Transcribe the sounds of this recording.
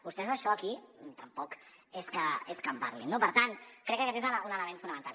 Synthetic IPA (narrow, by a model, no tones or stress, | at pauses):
bust̪ɛzəʃɔakit̪ɐmpɔk | eskəeskəmpa̰ɾlinːopəɾt̪ankɾɛkːakɛt̪ezlunələmẽnt̪funɐmənt̪al